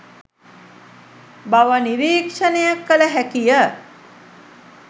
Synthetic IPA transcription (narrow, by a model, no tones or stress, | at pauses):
baʋəniɾiːkʂənejakːələɦækijə